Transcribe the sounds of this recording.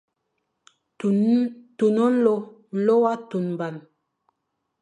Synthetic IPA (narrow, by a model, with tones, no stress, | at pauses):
tu˨nɔ˦n̩˦lo˦ | n̩˨˦lo˦wa˦tu˨nm˨ba˨n